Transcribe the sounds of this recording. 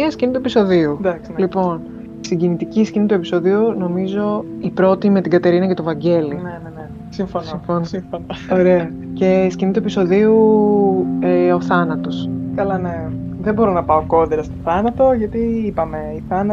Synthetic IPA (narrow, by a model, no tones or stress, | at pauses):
miɐscinit̪uepiso̞ðiud̪ɐkslipo̞n | siɟinit̪iciscinit̪ue̞pi̥so̞ðiuno̞mizo̞ipɾo̞t̪ime̞t̪iɡɐt̪e̞ɾinɐce̞t̪ovɐɲɟe̞linenene | siɱfonsiɱfonosfonooɾeɐ | ce̞scinit̪ue̞piso̞ðiu | o̞θɐnɐt̪o̞skɐlɐneðebo̞ɾonɐpɐo̞ko̞deɾɐst̪oθɐnɐt̪o̞ʝɐt̪iipɐme̞iθɐnɐ